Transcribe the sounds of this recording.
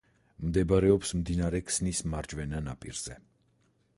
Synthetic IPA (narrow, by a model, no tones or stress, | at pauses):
md̪ɛbaɾɛɔpsmd̪inaɾɛkʰsnismaɾd͡ʒvɛnanapʼḭɾz̥ɛ